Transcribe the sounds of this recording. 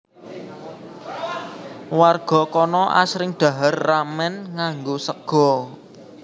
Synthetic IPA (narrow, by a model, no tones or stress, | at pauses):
warɡ̥ɔ̤kɔnɔʔa̰sɾɪŋɖ̪̥a̤ɦərːamɛnŋaŋɡosəɡ̥ɔ̤